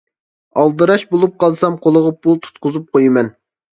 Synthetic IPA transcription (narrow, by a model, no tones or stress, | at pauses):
ɑlˠd̪ɨɾɑʃbolˠup̚qɑlˠsɑmqʰolˠəʁəpʰulˠt̪ʰu̥t̪̚qʊzup̚qʰojɨmɛn